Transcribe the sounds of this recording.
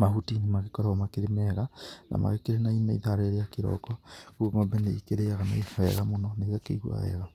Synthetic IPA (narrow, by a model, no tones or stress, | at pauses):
mahutinemaɣekɔɾaɔmakeɾemɛɣana̰ma̰ɣekeɾenainaiðaɾeɾejakeɾɔ̰kɔkuoŋɔmbɛneikeɾeaɣanaifɔɛɣamonɔneɣakeiɣwa̰ɛ̰ɣa